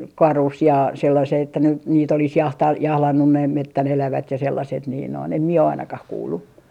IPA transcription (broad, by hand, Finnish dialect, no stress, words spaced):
kɑrus jɑ selːɑseː etːæ nyt niːt olis jɑhtɑ jɑhlɑnːun næim metːæn elæʋæt jɑ selːɑset niːn noin em mie o ɑinɑkɑh kuːlːu